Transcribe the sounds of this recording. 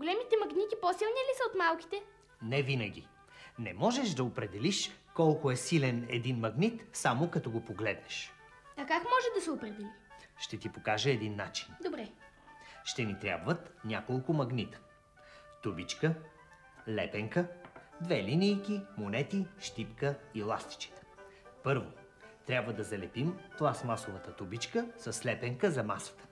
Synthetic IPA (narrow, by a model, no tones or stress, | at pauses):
ɡolɛmit̪ɛmɐɡnit̪iposilˠnilisəot̪malˠk̟i̥t̪ɛ | nɛvinəɡʲḭ | nɛmɔʒɛʃd̪ɐopɾɛd̪ɛliʃkɔlˠkʊɛsilɛnɛ̰d̪inmɐɡnit̪samokɐt̪ɔɡopoɡlɛd̪ɛʃ | ɐkakmɔʒɛd̪ɐsɛopɾɛd̪ɛliʃt̪ɛt̪ipokaʒəɛd̪inːat͡ʃi̥nd̪obɾɛ | ʃt̪ɛnit̪ɾʲa̰bvət̪nʲakolˠkʊmɐɡnit̪ə̥ | t̪ubit͡ʃkə | lɛpɛŋkəd̪vɛlinijkʲimonɛt̪iʃt̪ipkəilˠast̪i̥t͡ʃi̥t̪ə̥pɤɾvo | t̪ɾʲabvəd̪ɐzɐlɛpimplˠasmasovət̪ət̪ubit͡ʃkəsɐslɛpɛŋkəzɐmasə̥t̪ə̥